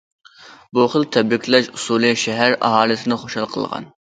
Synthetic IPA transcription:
buχəlˠt̪ʰɛbɪkʰʲlɛʃusulˠɨʃɛɦæɾɑ̰ɦɑːlˠɨsɪnɪχoʃɑlˠqʰəlˠʁɑ̰n

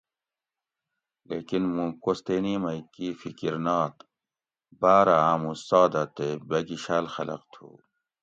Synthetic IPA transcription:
leːkinmũkost̪eːnimɐikifikiɾnɑːt̪ | baːɾaaːmusɑːd̪at̪ebɐɡiɕaːlxɐlɐ̰qt̪ʰṵ

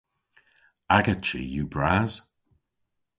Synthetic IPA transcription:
aɡət͡ʃə̰jubɹaz̥

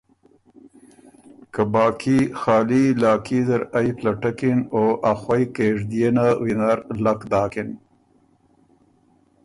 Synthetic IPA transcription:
kabɑːkʰixɑːlilɑːkizaɾajplaʈakɪnoʔaxwajkeʐd̪ijenawinaɾlakd̪ɑːkɪn

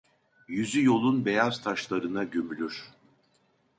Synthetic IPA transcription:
jyzyjo̞lˠunbe̞jaz̥t̪ʰaʃlˠaɾɯnaɟømylʲyɾ̥

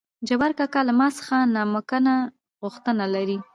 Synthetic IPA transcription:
d͡ʒawaɾkakalamɑsə̥xanɑməkəna | ɣʊxt̪ənalaɾi

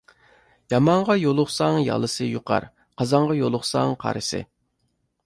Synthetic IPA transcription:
jɑmɑɴʁɑjolˠʊχsɑŋjɑ̰lˠɨsɨjuqʰɑ̰ɾ | qʰɑzɑɴʁɑjolˠʊχsɑŋqʰɑ̰ɾɨsɨ̰

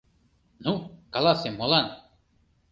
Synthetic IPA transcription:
nukalasemɔlan

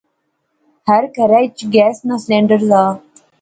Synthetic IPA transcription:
həɾkəɾat͡ʃɡɛːsnɔːslɛ̃ɳɖəɾzaː

